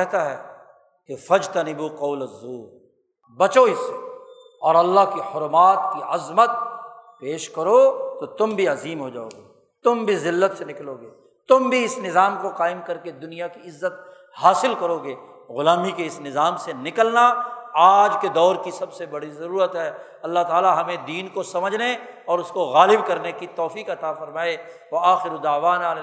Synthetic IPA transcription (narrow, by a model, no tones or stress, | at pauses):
kɛɦt̪aɦɛː | kefɐd͡ʒt̪ɐnɪboqɔːləzːuːɾ | bɐt͡ʃoɪse | ɔːɾɐlːaɦkihʊɾmaːt̪̚kiɐzmət̪̚peːʃkɐɾot̪ot̪ʊmbʱiɐziːmɦod͡ʒa̰ːo̰ːɡeː | t̪ʊmbʱizɪlːət̪senɪkloːɡeː | t̪ʊmbʱiɪsnɪzaːmkoqaːɪmkɐɾked̪ʊnijakiɪzːət̪̚ | haːsɪlkɐɾoːɡeː | ɣʊlaːmikeɪsnɪzaːmsenɪkəlnaaːd͡ʒked̪ɔːɾkisɐbsebɐɽizɐɾuːɾət̪ɦɛː | ɐlːaɦt̪aːlaɦɐmẽd̪iːnkosɐməd͡ʒʱne | ɔːɾʊskoɣaːlɪbkɐɾnekit̪ɔːfiːqɐt̪afɐɾmaːeʋɐaːxɪɾod̪aːʋaːnaːɾe